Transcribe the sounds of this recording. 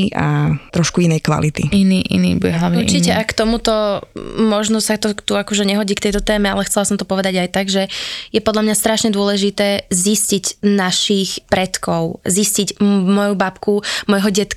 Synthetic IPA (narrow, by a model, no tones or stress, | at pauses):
a̰t̪ɾɔʃkuinɛjkʋa̰lit̪ḭiniːʔḭnḭːbuɛɦlaʊɲɛɾ̰t͡ʃicɛʔakt̪ɔmut̪ɔmɔʒnɔsat̪ɔt̪uakɔʒɛɲɛɦɔɟiːkt̪ɛjt̪ɔt̪ɛːmɛalɛxt͡sɛlasɔmt̪ɔpɔʋɛd̪aɟajt̪aɡʒɛjɛpɔd̪ʎamɲast̪ɾaʃɲɛd̪ʊɔlɛʒit̪ɛːzisciɟnaʃiːxpɾɛt̪kɔʊzisciɟmɔjubapkumɔjɦɔɟɛt̪